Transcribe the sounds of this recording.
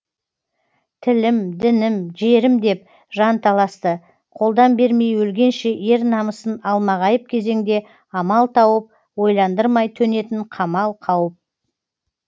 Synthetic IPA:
t̪ʰɪlɪmd̪ɪnɪmʒe̞ɾɪmd̪e̞p̚ | ʒɑnt̪ʰɑlˠɑst̪ə | qʰo̞lˠd̪ɑnbe̞ɾme̞jwɵlɡʲe̞nʃe̞ʔje̞ɾnɑməsənɑlˠmɑʁɑjəp̚kʲʰe̞ze̞ŋd̪e̞ | ɑmɑlˠt̪ʰɑwəp̚ | wo̞jlˠɑnd̪əɾmɑjt̪ʰɵne̞t̪ɪɴqʰɑmɑlˠqʰɑwəp̚

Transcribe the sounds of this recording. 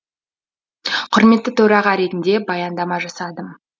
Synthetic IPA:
qʰʊɾme̞t̪ːɪt̪ʰɵɾɑʁɑɾe̞t̪ɪnd̪e̞bɑjɑnd̪ɑmɑʒɑsɑd̪əm

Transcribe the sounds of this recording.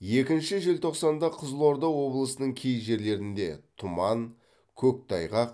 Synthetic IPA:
je̞kʲɪnʃɪʒelt̪ʰo̞qsɑnd̪ɑqʰəzlˠo̞ɾd̪ɑwwo̞blˠəsənəɴkʲʰejʒe̞ɾle̞ɾɪnd̪e̞̰t̪ʰʊmɑn | kʲʰɵk̚t̪ʰɑjʁɑq̚

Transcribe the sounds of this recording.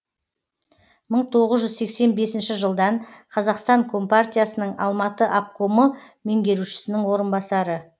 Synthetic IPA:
məɴt̪ʰo̞ʁəzʒʏzse̞kse̞nbe̞sɪnʃɪʒəlˠd̪ɑɴqʰɑzɑqst̪ɑŋkʰo̞mpart̪ʲijasənəɴɑ̰lˠmɑt̪əʔap̚kʰo̞mə | meŋɡʲe̞ɾuʃɪ̥sɪnɪŋwo̞ɾənbɑsɑɾə

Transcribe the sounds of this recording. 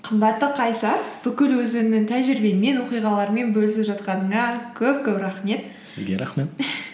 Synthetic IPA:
qʰəmbɑt̪ːəqʰɑjsɑɾb̥ʏkʲɪlwɵzɪnɪŋt̪ʰæʒɪɾbe̞nme̞nwo̞qijʁɑlˠɑɾəme̞nbɵlɪsɪpʒɑt̪qɑnəɴɑkʲʰɵp̚kʲɵpɾɑχme̞t̪ | sɪ̰zɡʲeɾɑ̰χme̞t̪

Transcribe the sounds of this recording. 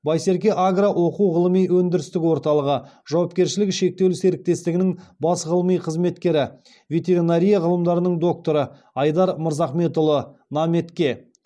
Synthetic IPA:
bɑjse̞ɾk̬ʲe̞ʔaɡraʔwo̞quwʁəlˠəmijwɵnd̪ɪɾɪst̪ɪkʲwo̞ɾt̪ɑlˠəʁəʒ̥ɑwɑpkʲe̞ɾʃɪlɪkʃe̞k̚t̪e̞wlseɾɪk̚t̪e̞st̪ɪɡʲɪnɪŋbɑsʁəlˠəmijqʰəzme̞t̪kʲe̞ɾɪ | vʲe̞t̪e̞ɾinaɾʲijaʁəlˠəmd̪ɑɾənəɴd̪o̞k̚t̪o̞ɾə | ɑjd̪ɑɾməɾzɑχme̞t̪ʊlˠənɑme̞t̪kʲe̞

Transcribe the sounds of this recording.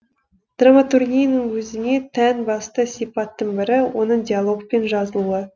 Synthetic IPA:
d̪̥ramat̪urɡʲijnəɴwɵzɪne̞t̪ʰænbɑst̪əsʲijpɑt̪ːəɴbɪɾɪwo̞nəɴdʲijalˠo̞k̚pe̞nʒɑzəlˠuə

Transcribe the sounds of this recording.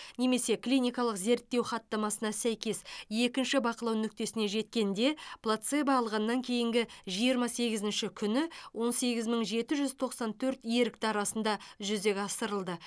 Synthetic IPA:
ne̞me̞se̞klʲijnʲijkɑlˠəqze̞ɾt̪ːe̞wχɑt̪ːɑmɑsənɑsæjkʲe̞se̞kʲɪnʃɪbɑqəlˠɑwnʏk̚t̪e̞sɪne̞ʒe̞t̪̚kʲe̞nd̪e̞plˠat̪se̞bɑːlˠʁɑnːɑŋkʲʰe̞jɪŋɡʲɪʒijəɾmɑse̞ɡʲɪzɪnʃɪkʲʰʏnɪwo̞nse̞ɡʲɪzməɴʒe̞t̪ɪʒʏzt̪ʰo̞qsɑnt̪ʰɵɾt̪jeɾɪk̚t̪ɑɾɑsənd̪ɑʒʏzd̪e̞kʲɑsəɾəlˠd̪ə

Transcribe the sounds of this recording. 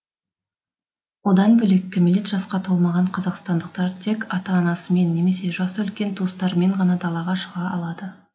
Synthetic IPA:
wo̞d̪ɑnbɵle̞kʲːɪmɪlʲet̪ʒ̥ɑsqɑt̪ʰolˠmɑʁɑɴqʰɑzɑqst̪ɑnd̪əq̚t̪ɑɾt̪ʰe̞kɑt̪ɑːnɑsəme̞nːe̞me̞se̞ʒɑsəɵlkʲe̞nt̪ʰuəst̪ɑɾme̞ɴʁɑnɑd̪ɑlˠɑʁɑʃəʁɑɑlˠɑd̪ə

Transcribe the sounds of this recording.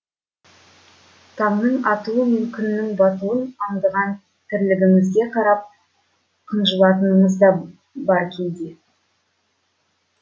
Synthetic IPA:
t̪ʰɑŋnəɴɑt̪uwəmʏmkʲʏnːɪŋbɑt̪uwənɑɴd̪əʁɑn | t̪ʰɪɾlɪɡʲɪŋɪzɡʲe̞qʰɑɾɑp̚ | qʰənʒəlˠɑt̪ənəɴəzd̪ɑ | bɑɾkʲʰeld̪e

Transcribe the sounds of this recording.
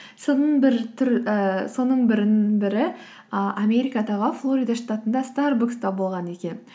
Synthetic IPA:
sonəɴbɪɾt̪ʰʏɾəso̞nəɴbɪɾɪnɪnbɪɾɪ | əʔamʲe̞ɾijkɑd̪ɑʁəflˠo̞ɾijd̪aʂt̪at̪ənd̪ɑst̪ɑɾbukst̪ɑbo̞lˠʁɑne̞kʲe̞n

